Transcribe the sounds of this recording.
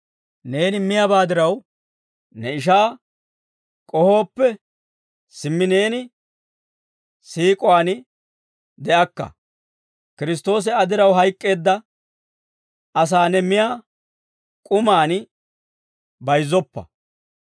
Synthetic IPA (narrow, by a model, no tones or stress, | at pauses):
ne̞ːnɪmɪjabaːd̪ɪɾɐw | nɛɪʃ̬aː | kʼɔho̞ːpːɛ | sɪmːɪne̞ːnɪ | siːkʼɔwaːnɪ | d̪ɛʔɐkːɐ̰ | kɪɾɪs̬t̪o̞ːs̬ɛɐd̪ɪɾɐwɦɐjkʼːe̞ːd̪ːɐ | ʔɐs̬aːnɛmɪjaː | kʼʊmaːn | bɐjzːɔpːɐ̰